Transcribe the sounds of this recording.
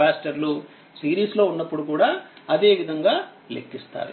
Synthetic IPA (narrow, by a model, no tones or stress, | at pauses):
aːsʈɐɾlu | siːɾiːslo̞ːunːɐpːuɽukuːɽaːɐd̪e̞ːʋid̪ʱɐŋɡaː | lekːist̪a̰ːɾṵ